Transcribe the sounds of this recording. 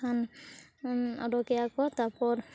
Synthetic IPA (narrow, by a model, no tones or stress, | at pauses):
an | ɔ̰ɾɔkɛjakɔt̪apɔɾ